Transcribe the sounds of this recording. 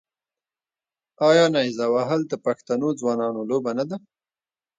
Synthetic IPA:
ɑjɑnajzawaɦald̪əpaxt̪anod͡zwɑnɑnolobanad̪a

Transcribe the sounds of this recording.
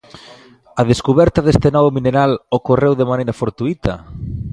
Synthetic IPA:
ɐðeskuβɛɾt̪ɐðest̪enɔβomineɾalokorewðemanejɾɐfoɾt̪uit̪ʰɐ

